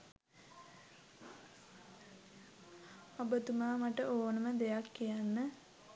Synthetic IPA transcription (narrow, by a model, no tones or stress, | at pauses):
abət̪umaːmaʈəʔoːnəməd̪ejakːijanːə